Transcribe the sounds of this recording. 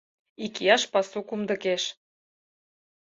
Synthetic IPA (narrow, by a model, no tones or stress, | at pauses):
ikiɑʃpɑsukumd̪ə̆keʃ